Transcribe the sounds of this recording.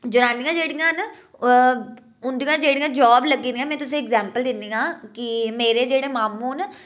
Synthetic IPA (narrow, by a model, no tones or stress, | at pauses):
d͡ʒʊɾaːnijãːd͡ʒeːɽɪjãːn | ʊnd̪ijãːd͡ʒeːɽɪjãːd͡ʒɔːbləɡiːd̪ɪjãːmɛ̃ːt̪ʊs̬ẽːɛɡzɛːmpəld̪ɪnd̪ijãːkɪmeːɾeːd͡ʒeːɽẽːmaːmũːn